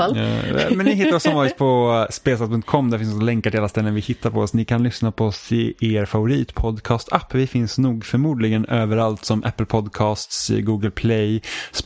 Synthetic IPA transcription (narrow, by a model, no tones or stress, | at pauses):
mɛnɪɦɪt̪ːaɾɔsɔmvɑːɾɪt̪̚pʰɔspeːs̬ɛt̪̚pʰɵŋt̪kʰɔmːd̪æɾfɪnsɔksɔlɛŋkaʈʰɪalast̪ɛlːənvɪhɪt̪ʰːaɾpʰɔɔsnɪkʰanlʏsnapʰɔɔsɪ̰ʔeːɾfavʊɾiːt̪pʰɔd̪kʰɑːst̪ʰapːvɪfɪnsnuːɡfœɾmuːd̪lɪɡənøːvəɾalt̪sɔmʔæ̰pːəlpʰɔd̪kʰɑːst̪sɡuːɡəlpʰlɛjs